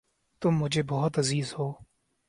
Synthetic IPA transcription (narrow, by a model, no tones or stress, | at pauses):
t̪ʊmːʊd͡ʒʱeːbɔːɦʊt̪əziːzhoː